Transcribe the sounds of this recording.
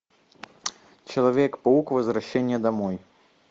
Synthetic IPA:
t͡ʃɐlˠavʲɛkpɐukvɐzraɕːɛnʲːɐd̪amɔj

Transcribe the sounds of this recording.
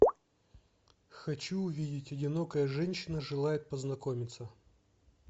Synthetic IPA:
xɐt͡ɕuːvʲidʲɪtʲɐdʲɪnokəjəʐɛnʲɕːɪnəʐɨlˠajɪt̪̚pəznɐkomʲɪt̪sə

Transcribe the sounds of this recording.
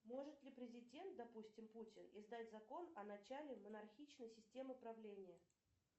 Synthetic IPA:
mo̞ʐɨt̪lʲɪpɾʲɪzʲɪdʲe̞nt̪̚d̪ɐpusʲtʲɪmputʲɪnɪzd̪atʲzɐko̞nɐnɐt͡ɕælʲɪmənɐrxʲit͡ɕnəjsʲɪsʲtʲe̞mɨpɾɐvlʲenʲɪjə

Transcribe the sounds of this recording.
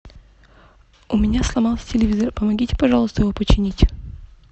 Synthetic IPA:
ʊmʲɪnʲaslˠɐmɑlˠsʲə̥tʲɪlʲɪvʲizərpəmɐɡʲitʲɪ̥pɐʐɑlˠəst̪əjɪvopət͡ɕːɪnʲitʲ

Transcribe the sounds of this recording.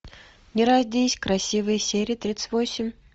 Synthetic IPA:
nʲɪɾazʲd̪ʲesʲkɾɐsʲivɨjəsʲeɾʲɪjət̪ɾʲit̪sɨt̪ʲvosʲɪmʲ

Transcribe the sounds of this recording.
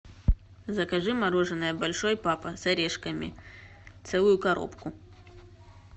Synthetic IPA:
zɐkɐʐɨmɐɾoʐɨnːɐjəbɐlʲʂojpapɐsɐɾʲeʂkɐmʲḭ | t̪sɛlˠʊjʊkɐɾʔo̞̰pkʊ

